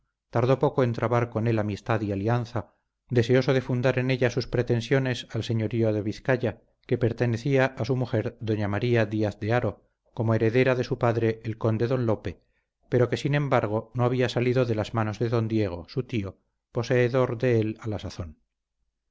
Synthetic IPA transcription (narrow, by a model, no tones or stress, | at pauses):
t̪aɾðo̞po̞koe̞nt̪ɾaβaɾko̞ne̞lamist̪aðialianθa | d̪e̞seo̞so̞ðe̞fund̪aɾe̞ne̞ʎasuspɾet̪e̞nsjo̞ne̞salse̞ɲo̞ɾioðeβiθkaʎa | ke̞pe̞ɾt̪e̞ne̞θiaʔasumuxe̞ɾðo̞ɲamaɾiaðiaθðeaɾo̞ | ko̞moe̞ɾe̞ðe̞ɾaðe̞supaðɾe̞ʔelko̞nd̪eðo̞nlo̞pe̞ | pe̞ɾo̞ke̞sinẽ̞mbaɾɣ̞o̞no̞aβ̞iasaliðo̞ðe̞lazmano̞zðe̞ðo̞nd̪je̞ɣ̞o̞sut̪io̞ | po̞se̞ːðo̞ɾðe̞elalasaθo̞n